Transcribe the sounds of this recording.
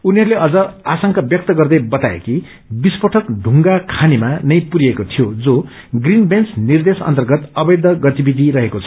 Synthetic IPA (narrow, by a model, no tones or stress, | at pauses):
uniɦʌɾuleʌd͡zʌasʌŋkʌbjʌk̚t̪ʌɡʌrd̪ʌjbʌt̪aḛki | bispʌʈʰʌkd̪ʱuŋɡakʰanimanʌj̃puɾijekot̪ʰijod͡zo | ɡrinbensnird̪esʌ̰nt̪ʌrɡʌt̪ʌbʌjd̪ʌɡʌt̪ibid̪ʱiɾʌɦekot͡sʰʌ̥